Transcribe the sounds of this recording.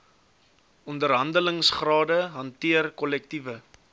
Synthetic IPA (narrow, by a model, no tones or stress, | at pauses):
ɔndərɦɐndələŋsχrɑːdəɦɐntiərkɔlɛk̚tivə